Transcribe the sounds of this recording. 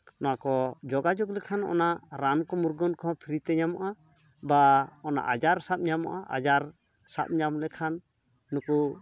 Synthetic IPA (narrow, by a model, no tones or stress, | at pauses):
nɔakɔd͡ʒɔɡad͡ʒɔklɛkʰanɔ̰naɾankɔmuɾɡɔnkʰɔpʰiɾit̪ɛɲamɔʔa | baɔna̰ʔad͡ʒaɾsap̚ɲamɔ̰ʔaʔa̰d͡ʒaɾ | sa̰p̚ɲamlɛkʰanː | uku